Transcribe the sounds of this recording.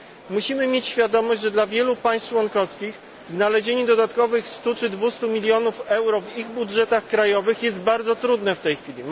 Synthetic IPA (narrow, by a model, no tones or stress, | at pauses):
muɕimɘmʲjet͡ɕɕfʲjad̪ɔmɔʑd͡ʑʲʐɛd̪lavʲjɛlupaj̃st̪t͡ʂwɔnkɔfskʲix | znalɛʑeɲɛd̪ɔd̪at̪kɔvɘxst̪ut͡ʂɘd̪vust̪umʲilʲjɔnufɛwɾɔviɣbudʐɛt̪axkɾajɔvɘxjɛzd̪̚baɾd̪zɔt̪ɾud̪nɛft̪ɛjxfʲilʲi